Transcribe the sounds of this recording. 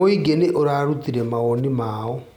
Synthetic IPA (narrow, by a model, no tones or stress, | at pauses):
oiɡeneʔoɾaɾut̪iɾɛmaɔnimaːɔ